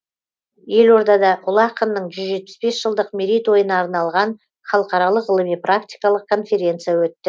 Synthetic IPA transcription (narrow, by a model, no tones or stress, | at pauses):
je̞lo̞ɾd̪ɑd̪ɑʔʊlˠɑqənːəɴʒʏzʒe̞t̪̚pɪ̥sbe̞sʒ̥əlˠd̪əqmeɾʲijt̪wo̞jənɑːɾnɑlˠʁɑn | χɑlˠəqɑɾɑlˠəqəlˠəmijprak̚t̪ʲijkɑlˠəq̚kʰo̞nfʲe̞ɾʲe̞nt̪sɨjawɵt̪ːɪ